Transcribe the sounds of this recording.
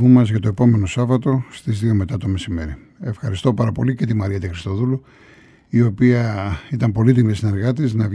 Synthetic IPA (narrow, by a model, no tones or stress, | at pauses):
umɐzʝɐt̪oe̞po̞me̞no̞sɐvɐt̪o̞st̪izðio̞me̞t̪ɐt̪o̞me̞sime̞ɾi | e̞fxɐɾist̪o̞pɐɾɐpo̞lice̞t̪imɐɾiɐt̪ixɾist̪o̞ðulu | io̞piɐit̪ɐmpo̞lit̪imesineɾɣɐt̪iznɐv